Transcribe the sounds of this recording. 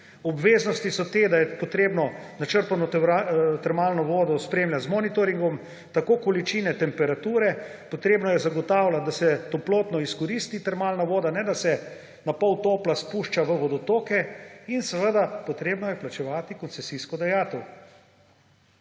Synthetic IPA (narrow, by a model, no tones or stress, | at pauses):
ɔbʋeːznɔst̪isɔt̪eːd̪ajɛpɔt̪ɾeːbnɔnat͡ʃəɾpanɔat̪ɛɾmaːlnɔʋoːd̪ɔspɾeːmljazmɔːnit̪ɔɾiŋɡɔm | t̪akoːkɔlit͡ʃiːnɛt̪ɛmpɛɾat̪uːɾɛ | pot̪ɾeːbnɔjɛzaɡɔt̪aːwlad̪asɛt̪ɔploːt̪nɔiskɔɾist̪it̪ɛɾmaːlnaʋoːd̪anɛd̪asɛ | napɔwt̪oːplaspuːʃt͡ʃaʋəʋɔd̪ɔt̪oːkɛinsəʋəd̪apot̪ɾeːbnɔjɛplat͡ʃɛʋaːt̪ikɔnt̪sɛsiskɔd̪ajaːt̪ɛw